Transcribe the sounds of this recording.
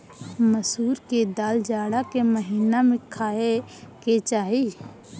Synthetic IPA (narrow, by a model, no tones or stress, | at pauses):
məsuːɾked̪aːld͡ʒaːɽakeməɦiːnamẽkʰaːeket͡ʃaːɦi